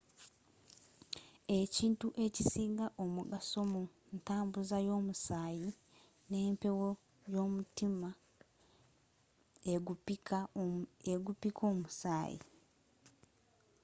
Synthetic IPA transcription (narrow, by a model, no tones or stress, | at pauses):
eciːntuʔe̞cisiːŋɡaʔomuɡaso̞mo | ntaːmbuzajo̞ːmusaːji | ne̞ːmpe̞wo | jo̞ːmutima | eupikaeɡupikʰo̞ːmusa̰ːjḭ